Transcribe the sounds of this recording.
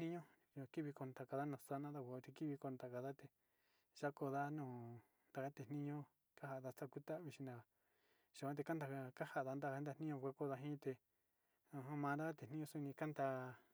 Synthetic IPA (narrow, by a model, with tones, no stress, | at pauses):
ĩ˦ɲõ˦˧ | ki˦βi˧ko˧˨nd̪a˧˨ka˧ða˦nõː˧˨sa˦nã˦ða˧kʷa˧t̪e˧ki˦βi˧ko˧˨nd̪a˧˨ka˧ða˦t̪e˧ | ʒa˦ko˧ða˦nõː˨ | nd̪a˧ka˦t̪e˨nĩ˦ɲõ˦ | ka˦ɦa˧˨ða˧t̪a˦ku˦t̪a˦˧βi˧ʃĩ˧na˧a˨ | ʒ̥a˨ã˦t̪e˧ka˦nd̪a˧a˧ka˦ha˧˨ða˧nd̪a˦˧˦nd̪a˧˨nĩ˦ɲõ˧˨kʷa˦ko˦ða˧ɦĩ˦t̪e˧ | õ˨˧˨ã˦mã˧nd̪a˦ka˦t̪e˨nĩ˦ɲõ˦su˦˧nĩ˧ka˦nd̪a˧